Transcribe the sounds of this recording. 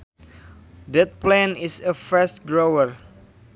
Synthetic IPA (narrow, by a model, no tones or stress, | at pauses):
dɛt̪̚plɛ̃nisəfɛstɡɹowəɹ